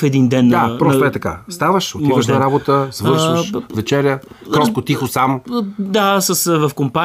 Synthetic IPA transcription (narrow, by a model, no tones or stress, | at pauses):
fɛd̪ind̪ɛnːapɾɔsɛt̪ɐka̰st̪avəʃot̪ivəʃnɐɾabot̪əsvɤɾʃəʃvɛt͡ʃɛɾʲjə | kɾɔst̪kʊt̪ixʊsamd̪asəsvɐfkompa